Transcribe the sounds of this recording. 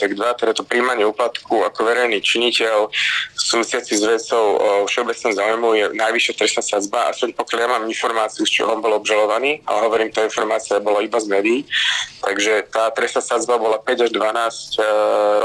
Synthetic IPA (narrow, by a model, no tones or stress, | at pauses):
t̪aɡd̪ʋat̪ɛd̪at̪ɔpɾiːmaɲɪɛuːplat̪kʰuakɔʋɛɾɛjniːt͡ʃiɲicɛlsuːʋisɪat͡sizʋɛt͡sɔʊɔfʃɛɔbɛt͡snɔmzaːujmujɛnajʋiʃɪat̪ɾɛsnasad͡zbaa̰sɛɲpɔkjaljamaːminfɔɾmaːt͡siut͡ʃḭɔmbɔlɔbʒalɔʋaniːa̰lɛɦɔʋɔɾiːmt̪ɔinfɔɾmaːt͡siabɔlaibazmɛːd̪iiːt̪aɡʒɛt̪aːt̪ɾɛsnaːsad͡zbabɔlapɛɟaʒd̪ʋanaːscɾ